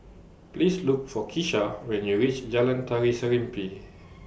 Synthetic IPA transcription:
plisluk̚fɔkʰiʃawɛ̃njuɹit͡ʃd͡ʒalãntʰaɹisəɹĩmpi

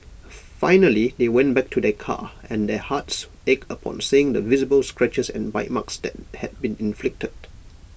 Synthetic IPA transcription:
fãɪnəlidewɛ̃nbɛk̚tʰudɛkʰa̰ɛ̃ndɛhats | ekəpʰɔ̰̃nsiɪ̃ŋdəvizəbəlskɹɛt͡ʃəsɛ̰̃nbaɪt̚maksd̪ɛ̰t̚hɛd̚bĩnɪ̃nflɪk̚təd̥̚

